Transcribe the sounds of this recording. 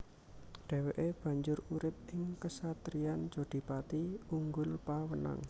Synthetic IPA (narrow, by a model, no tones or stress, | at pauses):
ɖ̪̥e̤weʔeb̥ä̤ɲd͡ʒʊɾuɾɪp̚ɪŋkəsat̪ɾiand͡ʒoɖ̪̥i̤pat̪iuŋɡʊlpawəna̰ŋ